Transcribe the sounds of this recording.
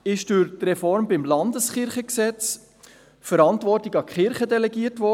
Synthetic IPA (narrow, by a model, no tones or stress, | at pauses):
ɪʃd̥ʊɾtrɛfɔɾmbɪmlɑndəsχɪɾχəksɛt͡s | fəɾɑntʋɔrtɪɡɑkχɪɾχədɛlɛɡiətʋɔ